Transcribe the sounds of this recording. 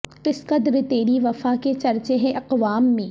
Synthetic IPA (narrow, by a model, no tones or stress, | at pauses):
qɪsqəd̪ɾət̪eːɾiʋɐfaket͡ʃɐɾt͡ʃeɦɛ̃ʔɐqʋaːmːẽː